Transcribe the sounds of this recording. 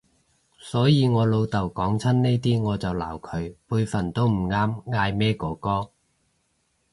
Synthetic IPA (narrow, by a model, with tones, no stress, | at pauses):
sɔː˨˥jiː˨˧ŋɔː˨˧lo˧wt̪ɐ˨˩wkɔː˨˥ŋt͡sʰɐ˥nne˥jt̪iː˥ŋɔː˨˧t͡sɐ˨wla̰ː˨˩wkʰɵ˨˧ɥpuː˧jfɐ˨˩nt̪o˥wm̩˨˩ŋaː˥mŋaː˧jmɛː˥kɔː˨˥kɔː˥